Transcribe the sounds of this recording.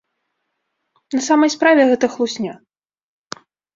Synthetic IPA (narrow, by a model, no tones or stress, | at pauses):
nɐsamɐjspɾavʲɛɣɛt̪ɐxlˠusʲnʲa